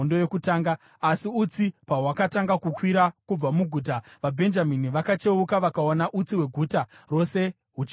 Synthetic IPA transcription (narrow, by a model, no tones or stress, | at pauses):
ndoje̞kutaːŋɡaː | siut͡sipawakataŋɡakukwiɾakub͡vamuɡʱuːt̬aʋabʱe̞nd͡ʒaminiʋakat͡ʃe̞ukaʋakaonaʔut͡siwe̞ɡʱuːtaro̞se̞ | ɦut͡ʃ